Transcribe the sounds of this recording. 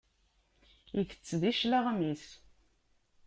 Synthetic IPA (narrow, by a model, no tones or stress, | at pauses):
jəθə̥t͡sːðiʃlaʁmis